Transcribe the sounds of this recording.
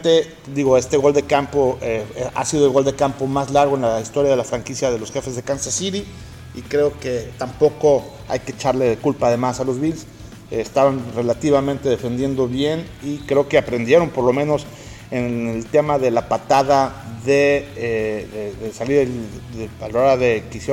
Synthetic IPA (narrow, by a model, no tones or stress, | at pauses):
t̪e | d̪iɣo̞e̞st̪e̞ɣo̞ld̪e̞kampo̞ea̰siðolɣo̞ld̪ekampo̞mazlaɾɣ̞oenlaist̪o̞ɾjaðelafɾaŋkisjað̞e̞lo̞sxe̞fe̞zðe̞kansasiɾi | ikɾe̞o̞ke̞t̪ampo̞ko̞ | a̰jke̞t͡ʃaɾle̞ðekulpaːðe̞masalo̞zβils | st̪aβanre̞lat̪iβamẽnt̪e̞ðe̞fe̞nd̪je̞nd̪o̞βje̞n | ikɾe̞oke̞apɾe̞nd̪je̞ɾo̞mpoɾlo̞mẽ̞no̞s | enelt̪e̞maðe̞lapat̪aðaðe | ðeðesaliɾðeealooɾaðe̞kisje